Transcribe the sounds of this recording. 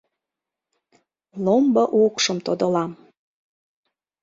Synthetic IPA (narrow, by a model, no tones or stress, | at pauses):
lombəʔukʃəmt̪od̪əlɑm